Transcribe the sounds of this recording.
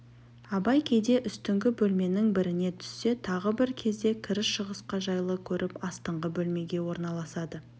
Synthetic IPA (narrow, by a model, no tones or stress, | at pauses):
ɑbɑjkʲʰe̞jd̪e̞ʔʏst̪ɪŋɡʲɪbɵlme̞nɪŋbɪɾɪne̞t̪ʰʏ̥sːe̞t̪ʰɑʁəbɪɾkʲʰe̞zd̪e̞kʲʰɪɾɪsʃəʁəsqɑʒɑjlˠəkʲʰɵɾʔɪpɑst̪əɴʁəbɵlme̞ɡʲe̞wo̞ɾnɑlˠɑsɑd̪ə